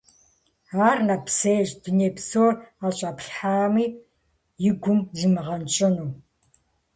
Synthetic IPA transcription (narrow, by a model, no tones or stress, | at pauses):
aːrnɐpseːʑduneːpsoːraːɕʼɐpɬħaːmiː | jɪɡʷʊmzimɨʁɐnt͡ʃʼɐnuː